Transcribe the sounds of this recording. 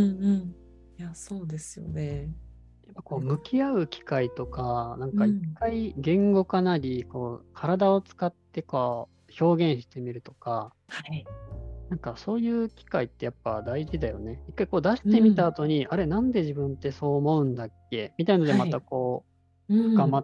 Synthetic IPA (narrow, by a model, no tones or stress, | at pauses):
ɯɯ̃ | jasoːd̪esɨjo̞̰ne | japːako̞ːmɯ̟kʲiaɯ̟kʲi̥kait̪o̞kanãŋkaikːaiɡẽ̞ŋɡo̞kanaɾʲiko̞ːkʰaɾad̪ao̞t͡sɨ̥kat̪ːe̞koː | ço̞ːɡẽ̞ɰ̃ɕi̥t̪e̞mʲiɾɯ̟t̪o̞̥ka | ha | nãŋkaso̞ːjɯ̟ːkʲi̥kait̪ːe̞japːa̰d̪aiʑid̪ajo̞ne̞ikːaiko̞ːd̪aɕi̥t̪e̞mʲit̪aːt̪o̞ɲ̟iʔaɾe̞nãnd̪e̞ʑibɯ̟̃nt̪ːe̞so̞ːmo̞ɯ̟̃nd̪akːe̞mʲit̪aind̪emat̪ako̞ː | ɡama